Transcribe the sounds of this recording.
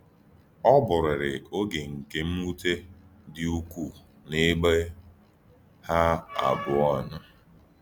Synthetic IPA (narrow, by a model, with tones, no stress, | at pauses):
ɔ˦bʊ˨ɾɪ˨ɾɪ˨o˦ɡe˨ŋ̩˨ke˨m̩˦mu˦te˦dɪ˦u˦kʷu˨ | ne˦ɡ͡be˦ | ha˦a̰˨bʊ˨ɔ˦na˦